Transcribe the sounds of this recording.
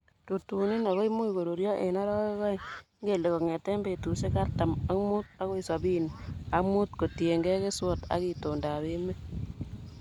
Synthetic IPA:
tu˨tu˨ni˦na˨ɣo˦i˦mu˦i˨ko˨ɾo˨ɾjɔ˦ʔe˨na˦ɾɔ˦ke˦ɣɔ˦i˦ŋɡe˦˨le˨kɔ˨ŋe˨te˦mbe˨tu˨se˦ka˦ɾta˨ma˦mu˦t̚a˦ko˦i˨sa˨bi˦n˨a˦kmu˦t̚ko˨tje˨ŋɡe˦ke˦swɔ˨ta̰˨˦ki˨to˨nda˨bɪ˦mɛ˦

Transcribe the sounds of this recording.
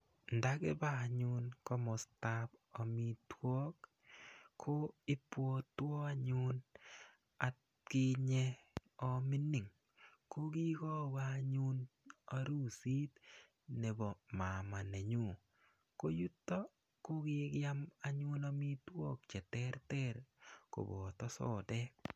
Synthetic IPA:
nda˦kɪ˦ba˦˨ɲʊ˦nko˦mɔ˨sta˦pɔ˨mi˨two˦k | kʰo˦ɪ˦pwo˦t̪wɔ˦a˦ɲʊ˦n | a˨t | kɪ˦ɲɛ˦ɔ˦mi˦ni˨ŋ | ko˦ki˦ko˦wa˦ɲʊ˦na˨ɾu˦si˦t̪ | ne˨bɔ˨ma˨ma˨ne˨ɲu˦˨ | ko˦ju˦tːo˦ | ko˦ɡɪ˦kja˦ma˨ɲʊ˦nɔ˦mi˦t̪wo˦k̚t͡ʃɛ˨t̪ɛ˦ɾtɛ˦ɾko̰˨bo˨t̪ɔ˦sɔ̰˦dɛ˦

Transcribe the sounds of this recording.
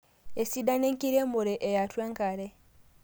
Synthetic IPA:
e˨si˦da˦ne˦ŋki˦ɾe˦mu˨ɾe˨ʔe˨ja˨tweː˦ŋka˨ɾe˦

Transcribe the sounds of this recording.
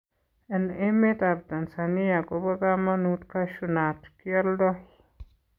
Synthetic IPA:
ɛne˦me˦t̪a˨b̚d̪a˨nsa˨ni˦ja˨ɡoba˦ɡa˦ma˦nut̪ka˦ʃunat̪kiɔ˦ldɔ˦h

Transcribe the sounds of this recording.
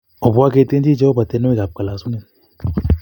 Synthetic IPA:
ɔ˨bu˦a˦ke˦te˦d͡ʒi˦d͡ʒe˦o˦ba˨te˨˦nɔ˦i˨ɡa˨p̚ka˨la˨su˦ne˨n

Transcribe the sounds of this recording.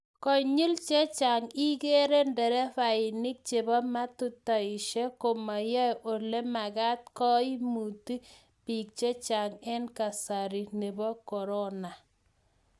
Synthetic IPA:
kɔ˨ɲi˦lt͡ʃe˦t͡ʃa˨ŋi˦ɡe˦ɾe˦ndɛ˨ɾɛ˦fa˨ɪ˨nɪ˦k̚t͡ʃe˨bɔ˦ma˦tu˦ta˨ɪ˨ʃe˦ko˨ma˨jɔ˦jʔo˨le˦ma˨ɡa˦t̚kɔ˦i˦mu˨ti˦ | pi˨k̚t͡ʃe˦t͡ʃa˨ŋɛ˦nka˨sa˨ɾi˨ne˨bɔ˦kɔ˨ɾɔ˦na˨

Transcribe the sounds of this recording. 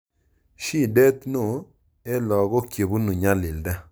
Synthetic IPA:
ʃi˦˨dɛ˦t̪no˦˨ | e˦lɔ˨ɣɔ˦kje˨bu˦nu˨ɲa˦lɪ˨lda˦

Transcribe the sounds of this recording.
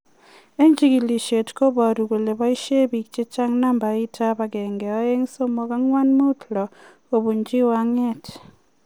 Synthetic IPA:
e˦ɲd͡ʒi˦ki˨li˨ʃe˨tko˦βa˨ɾu˨ɣu˨le˨βa˦i˦ʃe˦βi˨kt͡ʃe˦t͡ʃa˦ŋna˦mba˨i˦tʰa˦βa˨ɡɛː˨ŋɡɛ˨a˦je˦ŋso˦mo˨ka˦ŋwa˦nmu˦tlɔ˨ | o˨βu˨ɲd͡ʒi˦wa˦ŋe˦t

